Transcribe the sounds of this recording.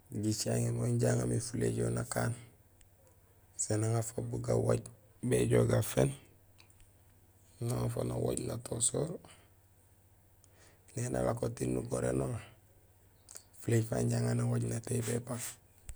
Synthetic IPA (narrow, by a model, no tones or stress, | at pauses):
ɟit͡ʃaŋemoɲɟaŋamifuleɟonakaːn | senaŋafabuɡawoɟ | beɟoɡafen | naŋafa̰nowoɟnatʰosoːɾ | nena̰lakotinːuɡoɾḛno | fuleɟfa̰ːɲɟaŋanawoɟnatebepak